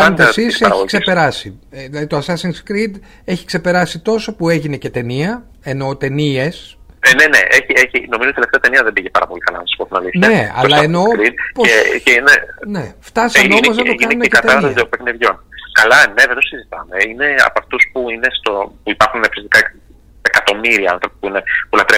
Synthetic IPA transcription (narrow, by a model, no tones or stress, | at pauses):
ɐnt̪esisɐɾɐɣçiʝkse̞spe̞ɾɐsiðilɐðit̪oɐsɐsiŋɡskɾid̪ | e̞çi̥kse̞pe̞ɾɐsit̪o̞so̞pue̞ʝine̞ce̞t̪e̞niɐ | e̞no̞t̪e̞nie̞snenḛʔeçieçino̞mizot̪ieleft̪eɐt̪e̞niɐðembiʝepɐ̰ɾɐpo̞likɐlɐ̰nɐsosi̥poθinɐ̰liθne̞ɐ̰lɐeno̞ɾid̪̚poesceinene̞ft̪ɐsɐmeonmoznɐoʝkiɐneuneɐt̪ɐɾɐszopekneðʝo̞nkɐlɐneðent̪osizit̪ɐme̞ine̞ɐ̰pɐft̪uspuine̞st̪opuipɐɾxunefsist̪i̥kɐ | ekɐt̪o̞miɾiɐɐ̰̃nθɾo̞pi̥puine̞pulɐt̪ɾe